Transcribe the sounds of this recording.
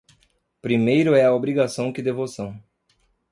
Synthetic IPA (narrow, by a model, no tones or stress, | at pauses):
pɾimejɾʊɛɐobɾiɡasɐ̃w̃kɪd̪evosɐ̃w̃